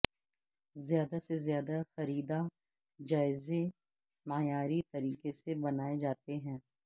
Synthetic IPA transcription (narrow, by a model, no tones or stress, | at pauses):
zɪjaːd̪asezjaːd̪axɐɾiːd̪a | d͡ʒaːɪze | maːjaːɾit̪ɐɾiːkesebɐnaːed͡ʒaːt̪eɦɛ̃ː